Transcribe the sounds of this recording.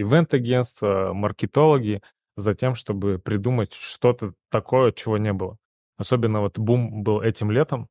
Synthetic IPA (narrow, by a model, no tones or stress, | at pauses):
ɪvɛnt̪ɐɡʲenst̪vəmərkʲɪt̪o̞lˠəɡʲɪ | zɐtʲe̞mʂt̪o̞bɨpɾʲɪd̪umətʲʂt̪o̞t̪ət̪ɐkʰo̞jət͡ɕːɪvonʲebɨlˠə | ɐso̞bʲɪnːəvot̪bumbɨlˠɛtʲɪmlʲe̞t̪əm